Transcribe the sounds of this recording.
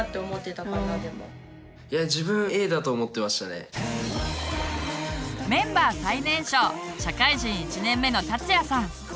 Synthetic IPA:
t̪ːeomo̞t̪ːet̪akãɡad̪emo̰ | jad͡ʑibɯ̟̃ɰe̞ːd̪at̪oːmo̞t̪ːe̞maɕi̥t̪ane̞̰ | mẽ̞mbaːsainẽ̞ɰ̃ɕoːɕakaiʑĩɰ̃it͡ɕinẽ̞mːe̞no̞t̪at͡sɨjasãŋ

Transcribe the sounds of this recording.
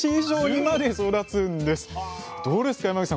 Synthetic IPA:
iʑoːɲ̟imad̪e̞so̞d̪at͡sɨ̃nd̪e̞sɨ̥d̪̥o̞ːd̪e̞sɨ̥kaimakisã

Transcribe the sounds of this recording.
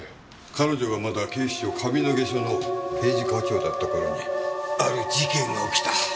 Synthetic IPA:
kʰano̞ʑo̞ɡamad̪akeːɕi̥ɕo̞kʰabʲino̞ɡe̞ɕono̞pe̞ːʑikakʲo̞ːd̪at̪ːakoɾo̰ɲ̟iaɾɯ̟d͡ʑikẽŋɡaokʲi̥t̪a

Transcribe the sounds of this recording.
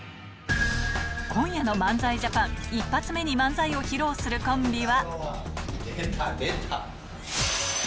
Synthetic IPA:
kʰõ̞ɰ̃jano̞mãnd͡zaiʑapãŋipːat͡sɨme̞ɲ̟imãnd͡zaio̞çiɾo̞ːsɨɾɯ̟kõ̞mbʲiβa | et̪a

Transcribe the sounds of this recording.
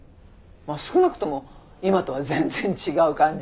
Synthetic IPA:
masɨ̥kɯ̟nakɯ̟̥t̪o̞mo̞ | imat̪o̞βazẽ̞nzẽɲt͡ɕiɡaɯ̟kãɲ̟d͡ʑi

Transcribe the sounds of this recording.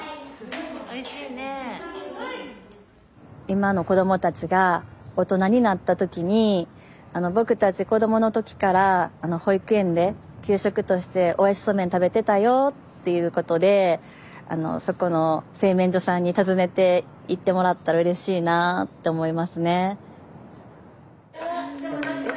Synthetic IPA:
e | imano̞ko̞d̪o̞mo̞t̪at͡ɕiɡao̞t̪o̞naɲ̟inat̪ːat̪o̞kʲiɲ̟i | ano̞bo̞kɯ̟t̪at͡ɕiko̞d̪o̞mo̞no̞t̪o̞kʲi̥kaɾaːno̞ho̞ikɯ̟ẽ̞nd̪e̞ | kʲɨːɕo̞kɯ̟t̪o̞ɕi̥t̪e̞ʔojaɕi̥so̞mẽ̞nt̪abe̞t̪e̞t̪ajo̞t̪ːe̞jɯ̟ːko̞t̪o̞d̪e̞ | a̰no̞̰so̞ko̞no̞se̞ːmẽɲ̟d͡ʑo̞sãɲ̟ːit̪azɨne̞t̪e̞ | it̪ːe̞mo̞ɾat̪ːaɾaɯ̟ɾe̞ɕiːnat̪ːe̞omo̞imasɨne̞

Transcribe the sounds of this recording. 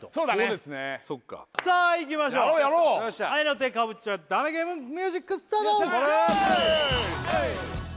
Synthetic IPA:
t̪osoːd̪aːd̪esɨnesokːa̰saːik̬ʲimaɕoːɾoːjaɾoːaaainot̪̬ekaβɯ̟t͡ɕad̪ameɡeːmɯ̃ŋmʲjɨːʑikːɯsɨ̥t̪ad̪õoɾ | a

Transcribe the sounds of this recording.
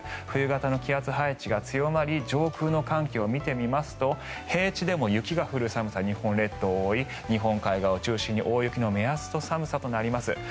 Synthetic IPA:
ɸɯ̟ɯ̟ɡat̪ano̞kʲiat͡sɨɦait͡ɕiɡat͡sɨjo̞maɾʲid͡ʑo̞ːkɯ̟ːno̞kãŋkʲeo̞mʲit̪e̞mʲimasɨ̥t̪o̞ | he̞ːt͡ɕid̪e̞mo̞jɯ̟kʲiɡaɸɯ̟ɾɯ̟samɯ̟saɲ̟ihõ̞nɾe̞t̪ːo̞ːi | ɲ̟iɦõ̞ŋkaiɡaot͡ɕɨːɕĩɲ̟ːiʔo̞ːijɯkʲino̞measɨ̥t̪o̞samɯ̟sat̪onaɾʲimasɨ

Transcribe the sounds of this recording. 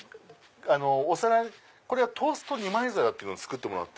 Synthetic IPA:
ano̞ːsaɾai | ko̞ɾe̞ɡat̪ʰo̞ːsɨ̥t̪o̞ɲ̟imaizaɾat̪ːeɯnit͡ssɨ̥kɯ̟t̪ːemonoat̪ːe

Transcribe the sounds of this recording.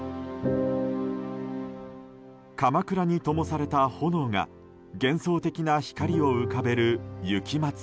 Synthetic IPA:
kamakɯ̟ɾaɲ̟it̪o̞mo̞saɾe̞t̪aho̞no̞ːŋa̰ | ɡẽ̞ɰ̃so̞ːt̪e̞kʲinaçi̥kaɾʲio̞ɯkabe̞ɾɯ̟jɯ̟kʲimat͡sɨ̥

